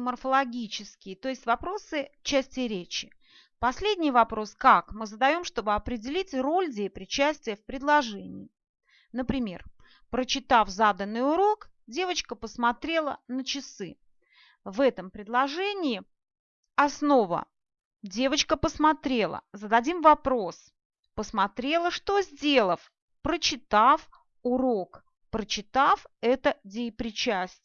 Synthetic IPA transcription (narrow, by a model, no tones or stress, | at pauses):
mərfəlˠɐɡʲit͡ɕɪskʲɪjət̪o̞ɪsʲtʲvɐpɾo̞sɨt͡ɕːæsʲtʲɪɾʲet͡ɕɪ̥ | pɐsʲlʲedʲnʲɪjvɐpɾo̞skakmɨzəd̪ɐjo̞mʂt̪o̞bɨɐpɾʲɪdʲɪlʲitʲro̞lʲdʲejəpɾʲɪt͡ɕæsʲtʲvɪjəfpɾʲɪd̪lˠɐʐɛnʲɪ̰j | nəpɾʲɪmʲe̞̰r | pɾət͡ɕɪt̪afzad̪ənːɨjʊɾo̞k | dʲe̞vət͡ɕkəpəsmɐt̪ɾʲe̞lˠə̰nət͡ɕɪsɨ | vɛt̪əmpɾʲɪd̪lˠɐʐɛnʲɪɪ | ɐsno̞və̰ | dʲe̞vət͡ɕkəpəsmat̪ɾʲe̞lˠə̰zəd̪ɐdʲimvɐpɾos | pəsmat̪ɾʲelˠəʂt̪o̞zʲdʲe̞lˠəf | pɾət͡ɕɪt̪af | ʊɾok | pɾət͡ɕɪt̪afɛt̪ədʲejpɾʲɪt͡ɕæsʲtʲ